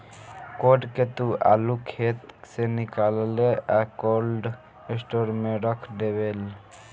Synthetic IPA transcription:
koɖket̪ua̰lukʰet̪senikaleleakolɖ | esʈoɾmeɾəkʰd̪ebel

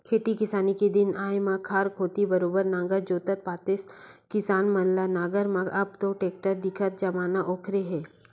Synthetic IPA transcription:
kʰeːt̪ikɪsaːnikid̪ɪnaːjmãkʰaːɾkʰoːt̪ibɐɾoːbəɾnãːŋɡəɾd͡ʒoːt̪ət̪̚paːt̪ɪskɪsaːnmɐnlanaːɡəɾmãɐbt̪oʈeːk̚ʈəɾd̪ɪkʰət̪̚d͡ʒɐmaːnaʔoːkʰɾeɦɛː

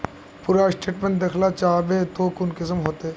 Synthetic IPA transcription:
puːɾasʈeːʈmẽɳʈd̪ɐkʰlat͡ʃaːbeːt̪oːkʊnkɪsəmɦoːt̪e

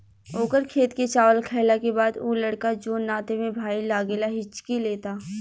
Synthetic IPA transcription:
oːkəɾkʰeːt̪ket͡ʃaːʋəlkʰɛːlakebaːd̪uːlɐɽkad͡ʒoːnːaːt̪emẽbʱaːilaːɡelaɦɪt͡ʃːkileːt̪aː

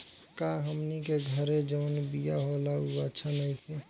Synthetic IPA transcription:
kaɦəmnikeɡʱəɾed͡ʒəʊnbijaɦolauətːʃʰanəĩkʰe

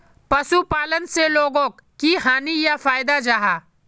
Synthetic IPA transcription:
pɐsupaːlənseloːɡõːk | kiɦaːnijafaːɪd̪ad͡ʒaɦaː

